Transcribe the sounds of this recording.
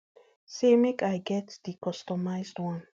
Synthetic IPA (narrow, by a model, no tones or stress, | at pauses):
semekajɡɛtdikʰɔstɔmaɪzdwãn